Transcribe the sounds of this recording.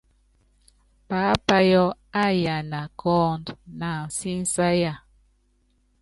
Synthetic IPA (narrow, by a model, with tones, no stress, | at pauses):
pa˨˦pa˦jɔ˦a˦˨ja˨na˨kɔː˦ndna˨n̩˨si˦n̩˦sa˦ja˦˨